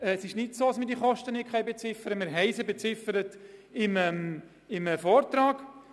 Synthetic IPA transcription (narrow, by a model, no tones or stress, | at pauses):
sɪʃnɪtsoːɑsmidiəχɔʃtənɪkχɛjbɛt͡sɪfəɾəmɪɾɦɛɪsəbɛt͡sɪfəɾətɪməm | ɪməfɔɾtɾɑːk